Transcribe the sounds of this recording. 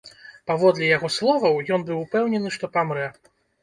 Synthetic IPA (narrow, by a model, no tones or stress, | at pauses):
pavɔd̪lʲɛjaɣɔslˠɔvɐwjɔnbɨwpɛwnʲɛnɨʂt̪ɔpamɾɛ